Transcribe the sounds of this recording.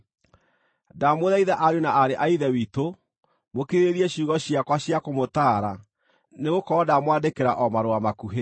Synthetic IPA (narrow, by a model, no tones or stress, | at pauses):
damoðaiðaʔaɾjunaʔaɾeʔaiðɛwito | mokeɾeeɾiɛɕuɣɔɕjakwaɕjakomotaːɾa | neɣokɔɔdamwandekeɾaʔɔmaɾoamakuɦe